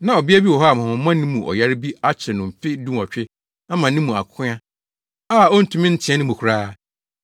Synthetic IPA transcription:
nã˨ɔ˨bi˦a˦bi˦wɔ˨ɦɔ˦a˨mã˨hʊ̃˨˦mã˦nĩ˦mũ˨ʔɔ̰˨ja˦ɾɪ˦bi˦a˦t͡ɕʰɪ˨nʊ̃˨m̩˨fɪ˦dũ˦m˨ɔ˨t͡ɕᶣɪ˦ | a˦mã˨nĩ˦mũ˨a̰˨kʰʊ̃˦ã˦ | aː˦˨ɔ˦n̩˦tʰũ˨mɪ̃˦n̩˦tʰɪ̃˨˦ɛ˦nʊ̃˦mũ˨kʰu˨ɾaː˦

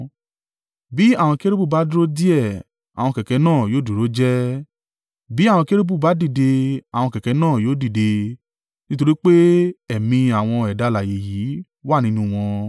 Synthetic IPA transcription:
bi˨˦a˦˨w̃ɔ̃˧ke˦ɾe˦bu˦˨ba˨˦dɾo˦di˦ɛ˦˨ | a˨w̃ɔ̃˧kɛ˨kɛ˨˦nãː˦˨joː˨˦˨du˨ɾo˨˦d͡ʒɛ˦ | bi˨˦ã˦˨ɔ̃˧ke˦ɾe˦bu˦˨ba˨˦di˦˨de˧a˨w̃ɔ̃˧kɛ˨kɛ˨˦nãː˦˨joː˦˨di˦˨de˧ | nĩ˦to˧ɾi˦k͡pe˦ɛ˨mĩ˧a˨w̃ɔ̃˧ɛ˨da˧la˨je˨ji˨˦ | wa˦˨nĩ˦nũ˦w̃ɔ̃˧

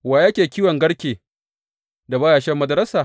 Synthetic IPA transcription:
waː˨ja˦kʲeː˨kʲiː˦wɔ˨ŋɡɐ˦ɽkʲeː˨ | da˨baː˦jaː˨ʃɛ˦mːɐ˦dɐ˨˦ɾɐ˦saː˨

